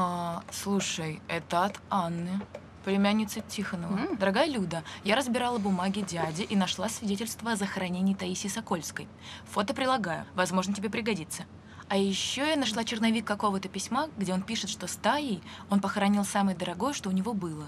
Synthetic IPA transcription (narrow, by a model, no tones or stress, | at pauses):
aslˠuʂəjɛt̪əɐt̪anːɨ | plʲɪmʲæanʲːɪt̪sɨtʲʰixənəvəd̪əɾɐɡajəlʲud̪əjaɾəzbʲɪɾalˠəbʊmaɡʲɪdʲadʲɪʔinɐʂlˠasvʲɪdʲetʲɪlʲst̪vəɐzəxəɾɐnʲenʲɪːt̪ɐisʲɪsɐko̞lʲskəj | fo̞t̪əpɾʲɪlˠɐɡajʊ̰vɐzmo̞ʐnətʲɪbʲepɾʲɪɡɐdʲit̪sə | ɐjɪɕːoanɐʂlˠat͡ɕɪrnɐvʲikːɐko̞vət̪əpʲɪsʲmaɡdʲe̞o̞npʲiʂɨt̪ʂt̪o̞st̪ajejo̞npəxəɾɐnʲilˠsamɨjəd̪əɾɐɡo̞jəʂt̪o̞ʊnʲɪvo̞bɨlˠə